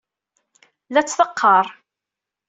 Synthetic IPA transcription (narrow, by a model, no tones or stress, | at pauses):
læt͡sːθəqːɑɾˤ